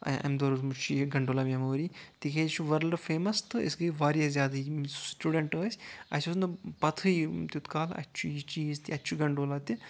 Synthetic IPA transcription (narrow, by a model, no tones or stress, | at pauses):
ɐ̰md̪oɾuzmut͡ʃʰiɡɐɳɖoːlamemoːɾit̪iket͡ʃʰuʋɐɾlɖfeːmɐst̪ɨḭsɡɨʋaːɾjɐzʲjaːd̪ai̥sʈuːɖeɳʈəːsʲɐ̰sʲusnɨpɐt̪ʰɨjt̪ʲut̪kaːlɐ̰t͡ʃʰujit͡ʃiːzt̪iɐt͡ʃʰuɡɐɳɖoːlat̪ʲi